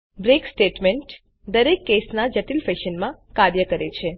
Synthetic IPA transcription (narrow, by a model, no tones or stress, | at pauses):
bɾeksʈeʈmẽɳʈ | d̪əɾekːesnad͡ʒəʈilfeʃənmãkaɾjəkəɾet͡ʃʰe